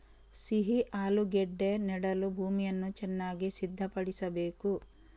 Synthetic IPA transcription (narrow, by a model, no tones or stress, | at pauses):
siɦiʔaːluɡɛɖːe̞nɛɽɐlubʱuːmijɐnːut͡ʃɛnːaːɡisid̪ʱːɐpɐɽisɐbe̞ːku